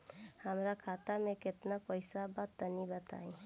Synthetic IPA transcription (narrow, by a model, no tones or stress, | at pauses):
həmɾakʰaːt̪amẽkɪt̪napəɪsabət̪ːənibət̪a̰ːĩ